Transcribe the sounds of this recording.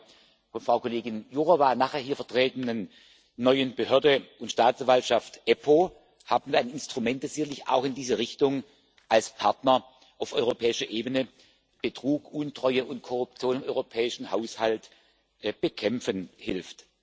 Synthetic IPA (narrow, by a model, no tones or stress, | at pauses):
fɔnfʁ̥aʊkʰoleːɡɪnjuʁovaːnaːχheːɐɦiːɐfɛɐtʁ̥ɛːtənənː | ɔʏənbəhøːɐdəʊntʃtaːtt͡sanvaltʃaftʔɛpʰo | haːbən̩iɐaɪnɪnstʁ̥umɛnt̚d̥asz̥ɪçɐlɪça̰ʊxɪndiːzəʁ̞ɪçtʊŋ | ʔalspʰaɐtnɐ | ʔaʊfɔʏʁopʰɛːɪʃɐʔeːbənə | b̥ətʁ̥uːkʔʊntʁ̥ɔʏəʔʊntkʰɔʁʊp̚t͡sjoːnɪmɔʏʁopʰɛːɪʃn̩haʊshalt | b̥əkʰɛmfənhɪlft